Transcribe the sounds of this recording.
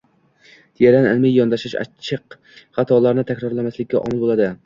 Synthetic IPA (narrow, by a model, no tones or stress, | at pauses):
d̪ʰijaɾanɪlmɪjjɒnd̪aʃɪʃa̰t͡ʃʰɪq | χɑt̪ʰɒlˠaɾnɪt̪ʰækʲɾɒɾlanmaslɪkʲːaʔɒ̰mɪlˠbolˠad̪ɪ